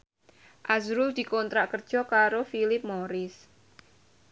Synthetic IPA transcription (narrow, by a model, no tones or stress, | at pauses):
ʔazɾʊld̪̥i̤kont̪ɾaʔkərd̥ʒ̥ɔ̤kaɾofilɪp̚moɾɪs